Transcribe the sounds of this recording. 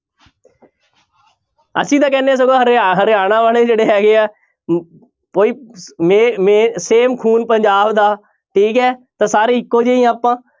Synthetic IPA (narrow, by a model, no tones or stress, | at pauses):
ə̰sĩːt̪ãːkɛːneːs̬əɡaːɦɾeɦəɾeːaːnãːʋaːleːd͡ʒeːɽeːɦɛːɡeːaː | poːiːmeːmeːseːmkʰuːnpəɲd͡ʒaːbd̪aː | ʈʰiːkɛːt̪ãːsaːɾiːɪkːoːd͡ʒeːiːaːpãː